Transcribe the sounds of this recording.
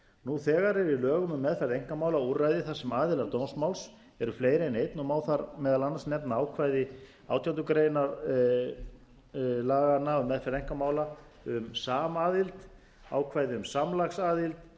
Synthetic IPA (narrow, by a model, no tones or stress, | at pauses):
nuθɛːɣaɾɛɾilœːɣʏmʏmːɛðfɛɾðejŋ̥kamaːwlauɾajðɪθḁsɛmaːðɪlaɾt̪ownsmawls | ɛɾʏfleːjɾɪɛnejt̪nʏmaːwθaɾmɛːðalanːasnɛpnaaːwkʰvaːjðɪ | a̰wt̪ʰjant̪ʏkɾeːjnaɾ | laːɣanaʏmːɛðfɛɾðejŋ̥kamaːwla | ʏmsaːmaːðɪlt̪ | a̰ːwkʰvaːjðɪʏmsamlaxsaːðilt̪